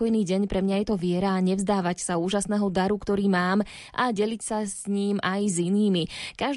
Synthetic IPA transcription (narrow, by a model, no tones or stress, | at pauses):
ɔjniːɟɛɲpɾɛmɲajɛt̪ɔʋɪɛɾaːɲɛvzd̪aːʋacsauːʒasnɛːɦɔd̪aɾukt̪ɔɾiːmaːm | ʔaɟɛlicsasɲiːmajziniːmikaʒ